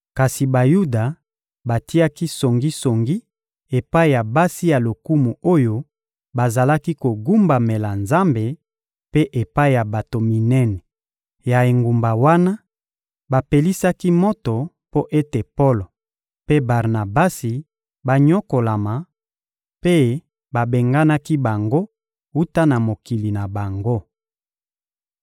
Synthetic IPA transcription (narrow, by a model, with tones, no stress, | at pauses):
ka˨si˨ba˨ju˦da˨ | ba˨ti˦a˦ki˦so˨ŋɡi˦so˨ŋɡi˦ | e˨pa˦i˨ja˨ba˦si˦ja˨lo˨ku˦mu˨o˦jo˦ | ba˨za˨la˦ki˦ko˨ɡu˦mba˨me˨la˨nza˦mbe˨ | pe˦ʔe˨pa˦i˨ja˨ba˨to˨mi˨nɛ˦nɛ˨ | ja˨e˨ŋɡu˨mba˨wa˦na˦ | ba˨pe˨li˦sa˦ki˦mo˦to˨ | po˦ʔe˦te˨po˦lo˨ | pe˦ba˨ʁna˨ba˦si˨ | ba˨ɲɔ˦ko˨la˨ma˨ | pe˦ | ba˨be˨ŋɡa˦na˦ki˦ba˨ŋɡo˦ | wu˦ta˦na˨mo˨ki˨li˨na˨ba˨ŋɡo˦